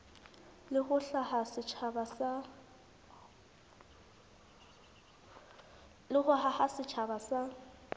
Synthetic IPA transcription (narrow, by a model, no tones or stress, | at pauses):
lɪχʊɬahasɪt͡ʃʰabasa | lɪɣʊɦahasɪt͡ʃʰabasa